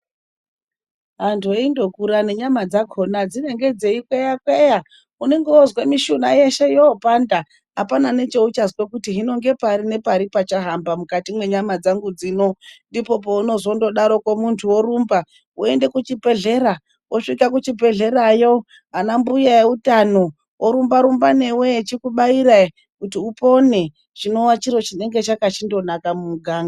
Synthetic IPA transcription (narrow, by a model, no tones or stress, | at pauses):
ɦantʰueindo̞kuɾane̞ɲamad͡zaɡʱonad͡zine̞ŋɡe̞d͡ze̞ikwejakweja | une̞ŋɡeozwemiʃunaje̞ʃe̞joːpanda | ɦapanane̞t͡ʃe̞ut͡ʃazwekutiɦino̞ŋɡe̞parine̞paɾipat͡ʃaɦambamukatimwe̞ɲamad͡zaŋɡud͡ziːno̞ndipo̞p̬o̞uno̞zo̞ndo̞ɗaɾo̞komuntʰuwo̞ɾumba | ue̞nde̞kut͡ʃibʱe̞ɮe̞ɾa | wʔoʂikakut͡ʃibʱe̞ɮe̞ɾajo̞ | ɦanambujaeutano̞ | wʔoɾumbaɾumbane̞wet͡ʃikuɓaiɾai | kutiupo̞ne̞ | t͡ʃino̞wat͡ʃiro̞t͡ʃine̞ŋɡe̞t͡ʃakat͡ʃindo̞nakamumuɡʱaːŋɡaa